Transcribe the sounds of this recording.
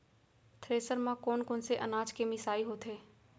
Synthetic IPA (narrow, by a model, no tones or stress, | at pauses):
t̪ʰɾeːsəɾmãkoːnkonseʔɐnaːd͡ʒkemɪsaːiɦoːt̪ɦeː